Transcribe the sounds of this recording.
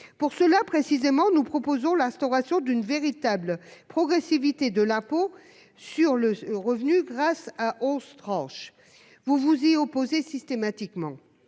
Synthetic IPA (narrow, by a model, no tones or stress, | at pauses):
puʁsəlapχesizemɑ̃nupχɔpozɔ̃lɛ̃st̪ɔʁasjɔ̃d̪ynveʁit̪ablpχɔɡʁesivit̪ed̪əlãpo | syʁləʁəvnyɡʁasaʔɔst̪χɑ̃ʃ | vuvuziɔpozesist̪emat̪ikmɑ̃